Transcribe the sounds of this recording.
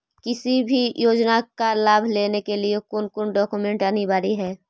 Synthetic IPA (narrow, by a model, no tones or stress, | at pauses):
kɪsibʱijoːd͡ʒnakalaːbʱleːnekeliekʊnkʊnɖɔːkumẽɳʈənibaːɾiɦɛː